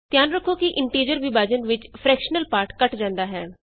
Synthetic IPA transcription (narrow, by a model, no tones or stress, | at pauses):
t̪jaːnɾəkʰːoːkiʔɪɳʈiːɾd͡ʒəɾʋɪbaːd͡ʒənʋɪt͡ʃpʰɾɛːkʃənəlpaːɾʈkəʈd͡ʒãːnd̪aːɦɛː